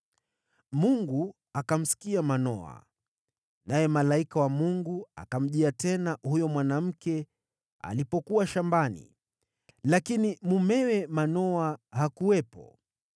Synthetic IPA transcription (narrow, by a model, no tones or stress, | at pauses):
muŋɡu | akam̩si̥kiamanɔa̰ | najɛmalaikawamuŋɡuakam̩ʄiatɛnahujɔmwanam̩kɛ | a̰lipɔkuwaʃambanḭ | lakinimumɛwɛmanɔahakuwɛpɔ̰